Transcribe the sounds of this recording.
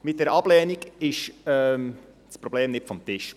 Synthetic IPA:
mɪt̚dɛːɾɑb̥lɛːniɡɪʃɛm | spɾob̥leːmnɪtfɔmt̪ɪʃ

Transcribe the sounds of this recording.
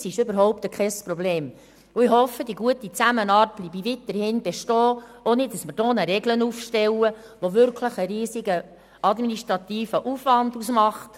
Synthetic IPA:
sɪʃøbəɾɦɔʊpt̪əkʰχɛspɾɔbleːm | ʊihɔfːədiɡuətit͡sæmənɑːɾt̚b̥liːbiʋitəɾhɪnbeʃtɔːonɪt̚ːɑsməɾd̥oːnəɾɛɡlənufʃtɛwə | ʋoʋʏɾkʰləχəɾiːsiɡə | ɑdminiʃtɾɑt̪iːfəʔufʋɑndusmɑχt

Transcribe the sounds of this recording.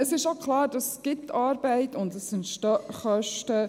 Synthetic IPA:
əsɪʃokʰlɑːɾd̥ɑsɡ̥ɪtːɑːɾbɛɪtʊndəsːɪntʃtɔχœʃtə

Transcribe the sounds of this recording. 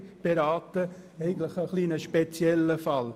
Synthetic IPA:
b̥eɾɑːtəɛɪɡən̩t̪ləχəχliːnəʃpet͡sjɛlːəfɑl

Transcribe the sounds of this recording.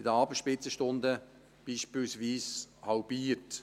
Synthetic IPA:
ɪdəɑːbəʃpɪt͡səʃtʊndə | b̥iːʃpiːlsviːshɑʊbiːɾt

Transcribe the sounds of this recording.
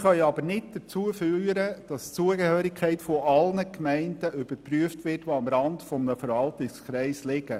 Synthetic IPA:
χœʏɑbəɾnɪt̚d̥ət͡suəfyːɾəd̥ɑst͡suəɡehøːɾɪkʰχɛɪtfɔʔɑlnəkmɛɪndəʔʏb̥əpɾyəftʋɪrtʋoɑmɾɑndfɔmnəfəɾʋɑltɪskɾɛɪslɪɡ̥ə

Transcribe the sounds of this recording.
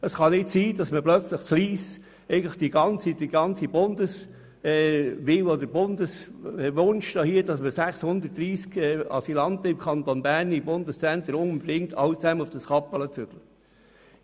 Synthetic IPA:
əsχɑnɪtsiːd̥ɑsməplœt͡sləχfliːs | ɛɪɡən̩tləχd̥iɡɑnt͡sid̥iɡɑnt͡sibʊndəs | ɛʋɪwɔdəɾbʊndəsʋʊnʃd̥ɑːhiːdɑsməsæχshʊnd̪ət̚d̥ɾiːskɛɑ̰silɑntəɪmkʰɑnt̪onbæɾnibʊndəst͡sɛnt̪əɾʊŋʊmbdɪŋtʰɑ̰ʊt͡sæmənʊfd̥əsχɑpːələt͡sʏɡ̥lə

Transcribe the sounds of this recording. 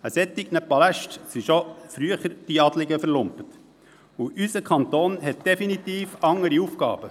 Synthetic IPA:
əsɛt̪ːɪɡnəpɑlæʃtsiʃofɾyəχəɾd̥iɑd̪lɪɡəfəɾlʊmpət̪ | uʔysəkʰχɑnt̪oːnɦɛt̪̚d̥ɛfinit̪iːfɑŋːəɾiufkɑ̰ːb̥ə

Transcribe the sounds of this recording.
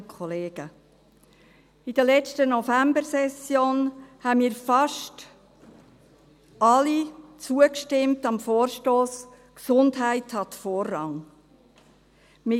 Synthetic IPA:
kʰχɔleːɡ̥ə | id̥əlɛt͡ʃtənɔfæmbəɾsɛsjoːnhæmiːɾfɑʃt | ɑlit͡suəkʃtɪmtɑmfoːɾʃtoːs | ksʊndɦæɪthɑt̪foːrːɑŋ | mɪ

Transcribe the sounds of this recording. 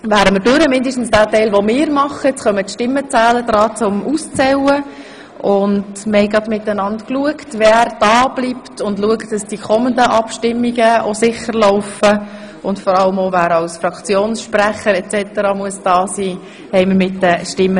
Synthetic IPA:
væːɾəməɾdøɾəmɪndəʃtn̩sd̥æːtɛɪlʋomɪːɾmɑχːəɛt͡sχœmətʃtɪmːət͡sæːləd̥̪ɾɑːt͡sʊmust͡sɛwə | ʔʊndməhɛɪɡɾɑdmɪtːənɑntkluəktʋɛɾd̥ɑːb̥liptʊndluəktd̥ɑsd̥ikʰɔməndəʔɑpʃtɪmːiɡəosɪχəɾlɔʊfə | ʊntfɔɾɑləmovæːɾɑlsfɾɑkt͡sjoːnsʃpɾæχəɾɛt͡sɛtəɾɑmuəsd̥ɑːsiː | hɛɪməɾmɪtːəʃtɪmːə

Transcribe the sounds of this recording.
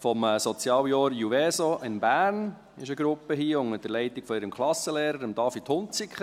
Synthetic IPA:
fɔmsɔt͡sjɑːwjɔːɾjuvɛːsɔʔɪnbæːɾn | ɪʃəɡɾʊpːəɦiːʊŋəd̥əɾlɛɪt̪iɡ̥fɔɪɾəmkʰlɑsəleːɾəɾəmd̥ɑːfit̪ʰhʊnt͡sikχə

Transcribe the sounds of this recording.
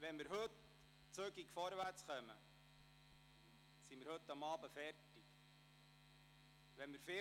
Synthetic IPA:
ʋɛnmɪɾɦɵt̪ | t͡søɡikfɔɾʋæɾt͡sχœmə̰ | simɪɾhɵt̪ːɑmɑːbəfɛrtɪk | ʋɛnmɪɾfɪ

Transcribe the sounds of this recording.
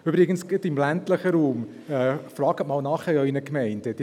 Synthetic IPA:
ybɾɪɡənsɡɪtɪmlæntləχəɾuːm | ɛfrɑːɡətmɑːlnɑχhɛœʏnəkmɛɪnd̥əd̥i

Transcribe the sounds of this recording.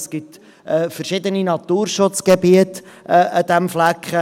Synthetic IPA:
skɪt̪ | ɛːfərʃɪd̪əninɑt̪uːrʃʊt͡sɡ̥ebiət̪ | ɛʔəd̪̥ɛmflækχə

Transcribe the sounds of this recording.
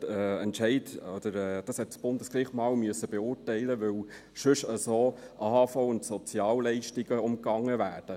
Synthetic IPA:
ɛɛntʃɛɪtɔd̪̥əɾɛːd̥ɑshɛt̚t͡sb̥ʊndəskriχmɑːlmyəsəb̥ɛʊːrtɛɪləʋɪw | ʃɵʃəsoːʔɑhɑfoʊʊntsɔt͡sjɑːwlɛɪʃtiɡəʊmkɑŋːəvæːɾd̥ə

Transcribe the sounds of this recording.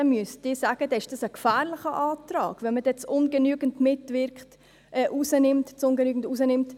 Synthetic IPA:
nmyəstd̥ɪːsaːɡ̥əd̥ɛɪʃd̥ɑsəkfæːɾlɪχəʔɑːtɾɑ̰ːɡ̥vɛnməd̥ɛt͡sʊnɡənyːɡən̩dmɪtvɪɾkχt | ʔɛːʔusənɪmtt͡sʊnɡənyːɡn̩dusənɪmt

